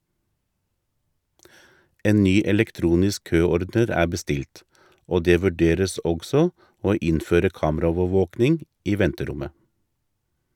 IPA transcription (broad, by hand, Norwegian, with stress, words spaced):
ˈeːn ˈnyː ɛlɛkˈtɾuːnɪsk ˈkøːˌɔɾdəɾ ˈæː bəˈstɪlt ˈoː ˈdeː ʋʉˈɖeːɾəs ˈɔɡsɔ ˈoː ˈɪnføːɾə ˈkɑːmˌɾoːʋəˌʋoːknɪŋ ˈiː ˈʋɛntəˌɾʊmə